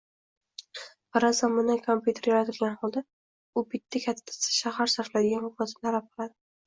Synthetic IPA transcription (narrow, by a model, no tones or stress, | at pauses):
paɾazamɪnakʰompjut̪ʰeɾjaɾat̪ʰɪlɡʲanhɒlˠd̪a | ʊbɪt̪ʰːakʲʰat̪ʰːḁsɪ̥ʃahaɾsaɾflad̪ɪɡʲanhʊkmat̪ʰnt̪ʰalap̚qʰɨlˠad̪ɪ